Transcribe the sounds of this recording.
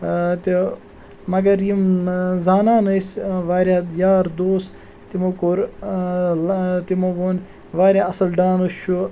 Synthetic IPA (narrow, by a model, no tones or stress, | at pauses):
t̪i | mɐɡɐɾjimzaːnaːnɐsʋaːɾʲjaːjaːɾd̪oːs | t̪imokoɾ | lt̪imoːʋoːn | ʋaːɾʲjaːɐsɐlɖaːnut͡ʃʰːu